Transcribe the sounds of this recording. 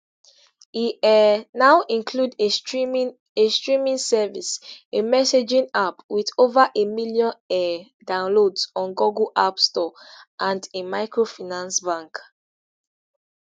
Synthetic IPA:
iɛnaʊʔĩnkʰlude | estɹĩmĩŋsɛvisemɛsed͡ʒĩnapwiðovaʔemilijɔ̃nɛ | dãʊ̃nlodsɔ̃nɡɔɡuʔapstɔʔãndemaɪkɹofinãnsbãŋk

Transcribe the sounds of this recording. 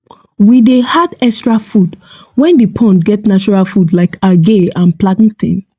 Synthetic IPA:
widehadɛkstɹafud | wɛ̃ndipʰɔ̃ntɡɛtnat͡ʃɔɹalfudlaɪkaɡeãnplaɡŋ̩tʰḭ̃n

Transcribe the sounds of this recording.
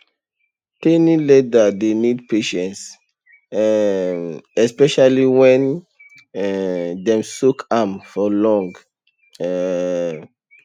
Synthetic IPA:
tenĩledadenidpeʃɛ̃nts | ɛ | ɛspɛʃaliwɛ̃n | dɛ̃msukʰamfɔlɔ̃ŋɡ | ɛ

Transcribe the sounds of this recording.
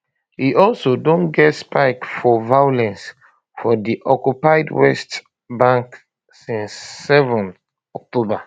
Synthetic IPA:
hiʔɔlsodõnɡɛtspaɪkfɔvajolɛ̃ns | fɔdiʔɔkjupaɪdwɛst | bãŋk | sĩnsːɛvɔ̃n | ɔk̚toba

